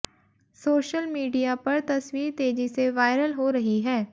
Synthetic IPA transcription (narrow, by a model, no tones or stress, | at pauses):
soːʃəlmiːɖijapɐɾt̪ɐswiːɾt̪eːd͡ʒiseʋaːɪɾəlɦoːɾəɦiɦɛː